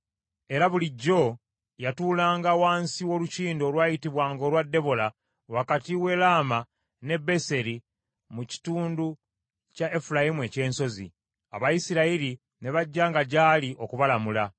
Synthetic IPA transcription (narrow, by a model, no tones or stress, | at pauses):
e̞ɾaβuliɟːo̞ | jatuːlaːŋɡawaːnsiwo̞luciːndo̞ːlwaːjitiβwaːŋɡoːlwadːe̞βo̞la | wakatiwe̞laːma | ne̞be̞se̞ɾi | muci̥tuːndu | cae̞fulajimue̞ce̞ːnso̞zḭ | a̰βajisiɾaiɾi | ne̞βaɟːaːŋɡaɟaːliʔo̞kuβalamula